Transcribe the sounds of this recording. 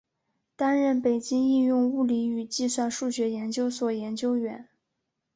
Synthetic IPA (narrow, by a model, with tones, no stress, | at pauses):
t̪a˥nɻə˥˩npe˨˩ɪt͡ɕi˥ŋi˥˧jʊ˥˧ŋu˥˩li˧˥y˨˩t͡ɕi˥˧swa˥˧nʂu˥˩ɕɥɛ˧˥jɛ˧˥nt͡ɕjo˥ʊswɔ˨˩jɛ˧˥nt͡ɕjo˥ʊɥɛ˧˥n